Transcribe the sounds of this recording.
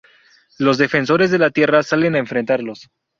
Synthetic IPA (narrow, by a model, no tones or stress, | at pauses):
lo̞zðe̞fe̞nso̞ɾe̞zðe̞lat̪je̞rasale̞naeɱfɾe̞nt̪aɾlo̞s